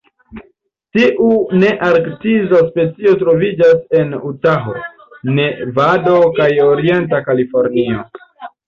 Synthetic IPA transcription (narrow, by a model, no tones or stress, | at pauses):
tiʔune̞ʔaɾktizaspe̞t͡sio̞tɾo̞vid͡ʒase̞nutaɦo̰ | ne̞vado̞kajo̞ɾie̞ntakalifo̞ɾnio̞